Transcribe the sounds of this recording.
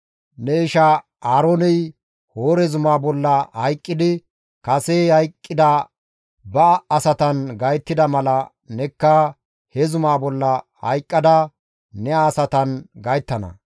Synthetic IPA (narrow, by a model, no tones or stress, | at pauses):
nɛɪʃa | aːɾoːnɛj | hoːɾɛzʊmaːbɔlːɐhɐjkʼːɪd̪ɪ | kɐsehɐjkʼːɪd̪ɐ | bɐːsɐt̪ɐnɡɐjt̪ːɪd̪ɐmɐlɐ | nɛkːɐ | hɛzʊmaːbɔlːɐ | hɐ̰jkʼːɐd̪ɐ | nɛaːsɐt̪ɐnɡɐjt̪ːɐnɐ̰